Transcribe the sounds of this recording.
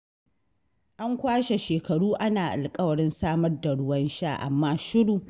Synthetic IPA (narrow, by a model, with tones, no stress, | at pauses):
ʔa˦ŋkʷaː˦ʃe˨ʃeː˨kɐ˨ɽuː˦ʔa˦naː˨ʔa̰˨lkʼɐ˦wɐ˨ɽɪ˦nsaː˦mɐ˦rda˨ɽʊ˦wɐ˦nʃaː˦ʔa̰˨mːaː˦ʃɪ˦ɽuː˨